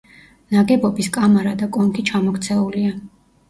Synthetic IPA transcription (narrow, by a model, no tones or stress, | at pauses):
naɡɛbɔbiskʼamaɾad̪akʼɔŋkʰit͡ʃʰamɔkt̪sʰɛulia